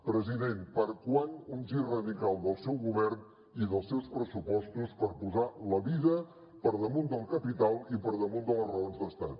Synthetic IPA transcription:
pɾəziðenpəɾkwanunzirəðikalˠd̪əlˠsɛwɣuβɛrn | iðəlˠsɛwspɾəsupɔst̪uspəɾpuzaləβiðə | pəɾðəmund̪əlˠkəpit̪alˠipəɾðəmund̪ələrəonzd̪əst̪at̪̚

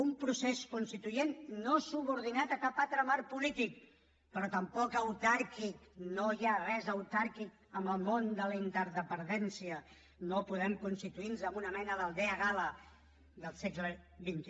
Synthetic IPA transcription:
umpɾuseskunst̪it̪ujenːosuβuɾð̞inat̪əkapat̪ɾəmaɾpulit̪ik̚ | pəɾɔt̪əmpɔkəwt̪aɾkiknojarɛzəwt̪aɾkik̚ | əmbəlˠmond̪ələint̪əɾðəpənd̪ɛnsiə | nopuðɛmkunst̪it̪uinzəmbunəmɛnəðəlˠd̪eəɣalə | ðəlˠsekləβint̪

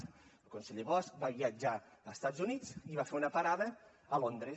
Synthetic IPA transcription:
əlˠkunseʎeβɔsk̚baβiəd͡ʒaːst̪ad͡zzunit͡siβafeɾunəpaɾaðə | əlond̪ɾə

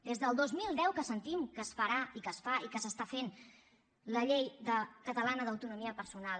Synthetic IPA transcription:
d̪ezðəlˠd̪ozmilˠd̪ɛwkəsənt̪imkəsfəɾaikəsfaʔikəsəst̪afen | ləʎejðəkət̪əlanəðəwt̪unumiəpəɾsunal

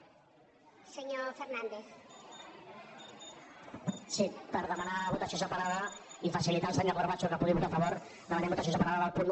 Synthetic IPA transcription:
seɲofeɾnãnd̪eθ | sipəɾðəmanaβut̪asjozapaɾaðaifasilit̪alˠsaɲoɣoɾβat͡ʃukapuɣiβut̪afaβoɾ | ðəmanẽmbut̪as̬onzəpaɾaðaðalˠpun

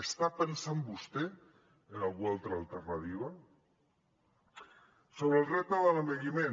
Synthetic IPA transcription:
est̪apensambust̪e | enalɣualt̪ɾaːlt̪eɾnat̪iβa | soβɾelret̪aðelameɣimẽ

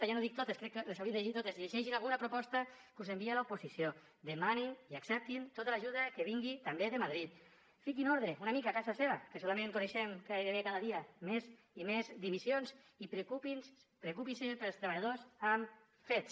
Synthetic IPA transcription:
ajanoðik̚t̪ot̪eskɾɛkːelesawɾiðd̪eit̪ot̪eziʎeʃɛʃinalɣunapɾupɔst̪akuzembialaupusisio | d̪emaniniaksɛp̚t̪int̪ot̪alaʒuðakeβ̞iŋɡit̪ambeðemaðɾit̪̚ | fikinɔɾðɾeunamikakazaseβakesolamẽŋkuneʃɛmkaeβekaðaðiamez | imezd̪iβisjonz | ipɾekupins | pɾekupinsepeɾlˠst̪ɾeβaʎaðosam | fet̪s

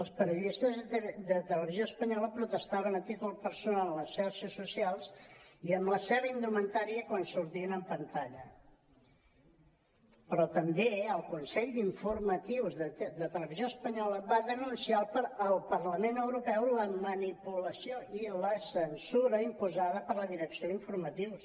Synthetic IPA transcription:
əlˠspəɾjuðist̪əzd̪ət̪ələβizjoəspəɲɔləpɾut̪əst̪aβənət̪it̪ulˠpəɾsunalənləsʃaɾʃəsːusialˠsiəmləsɛβəind̪umənt̪aɾiəkwansuɾt̪iənəmpənt̪aʎə | pɾɔt̪əmbeəlˠkunsɛʎd̪iɱfuɾmət̪iwzðəd̪ət̪ələβizjoəspəɲɔləβaðənunsialpəɾəlˠpərləmenəwɾupɛwləmənipuləsioiləsənsuɾəimpuzaðəpəɾləðiɾəksijoðiɱfuɾmət̪iws

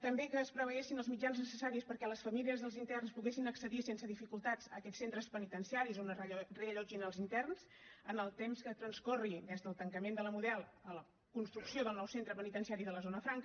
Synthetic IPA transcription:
t̪əmbekəːspɾəβəesinəlˠzmid͡ʒanznəsəsaɾiəspəɾkɛləsfəmiliəzðəlˠzint̪ɛrnspuɣesinəksəðisensəðifikulˠt̪ad͡zəkɛtsent̪ɾəspənit̪ənsiaɾizunreəʎɔd͡ʒinəlˠzint̪ɛrns | ənəlˠt̪emskət̪ɾənskɔrid̪ɛzðəlˠt̪əŋkəmend̪ələmuðɛlˠələ | kunst̪ɾuksioðəlˠnɔwsent̪ɾəpənit̪ənsiaɾiðələzonəfɾaŋk

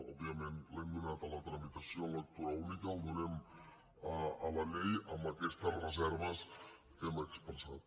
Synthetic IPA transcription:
ɔ̰biamẽnleŋɡunat̪alat̪ɾamit̪asionlek̚t̪uɾaunikald̪unem | aalalejamakest̪arezɛɾβas | t̪emaekspənsat̪̚

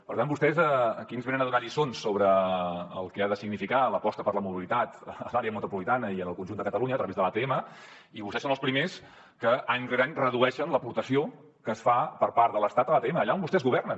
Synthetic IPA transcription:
pəɾt̪ambust̪ɛzəəkinzβenənəðuaʎisonsːoβɾəː | lˠkɛaðəsiɡnifikaləpɔst̪əpəɾləmuβilit̪at̪əlaɾeəmut̪upulit̪anəiənəlˠkunʒund̪əkət̪əluɲəːt̪ɾəβezðəlˠat̪eemə | iβust̪ɛsonəlˠspɾimes | kəʔaɲreɾaɲrəðuɛʃənləpuɾt̪əsio | kəːsfapəɾpaɾt̪ðələst̪at̪əlat̪eeməːʎaombust̪ɛzɣuβɛrnən

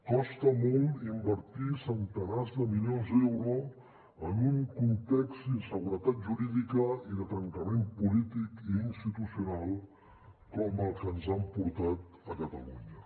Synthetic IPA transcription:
kɔst̪əmɔlˠt̪imbəɾt̪isənt̪ənazðəmiljonzɛwɾu | ənuŋkunt̪ɛkz̥iəsəɣuɾət̪at̪̚ʒuɾiðikəiðət̪ɾəŋkəmempulit̪ikiːnst̪it̪usiunalˠ | kɔməlˠkənzampuɾt̪at̪ | əkət̪ə̰luɲə

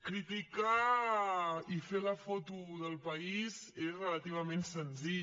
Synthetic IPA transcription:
kɾit̪ika | ifeləfot̪uðəlˠpəizezrələt̪iβ̞əmensənziʎ

